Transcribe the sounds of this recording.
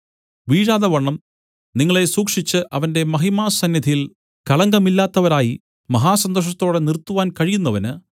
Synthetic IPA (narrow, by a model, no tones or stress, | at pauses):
ʋiːɻaːðɐʋɐɳːɐm | niŋːɐɭe̞suːkʂit͡ɕːɨʔɐʋɐnde̞mɐɦimaːsɐnjɐd̪ʱijil | kɐɭɐŋɡɐmilːaːt̪ːɐʋɐɾaːji | mɐɦaːsɐnd̪oʂ̬ɐt̪ːo̞ːɽe̞nirt̪ːuʋaːnkɐɻijunːɐʋɐnɨ